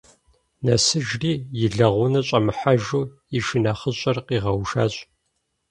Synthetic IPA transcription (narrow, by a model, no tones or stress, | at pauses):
nɐsɨʒriːjɪɮɐʁʷʊnɐɕʼɐmɨħaʒuː | iʃɪnɐχəɕʼɐrqiːʁɐwʃaːɕʼ